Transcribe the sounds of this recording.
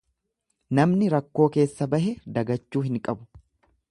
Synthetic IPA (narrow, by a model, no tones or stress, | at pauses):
nɐmnɪɾɐkːo̞ːke̞ːsːɐbɐhɛd̪ɐɡɐt͡ʃːuːɦɪŋkʼɐbʊ̥